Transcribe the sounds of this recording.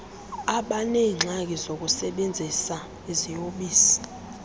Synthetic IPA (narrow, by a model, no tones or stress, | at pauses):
aɓanɛŋ͡ǁʱak̬ʼizok̬ʼusɛɓend͡zʱisa | izijoɓiːsi̥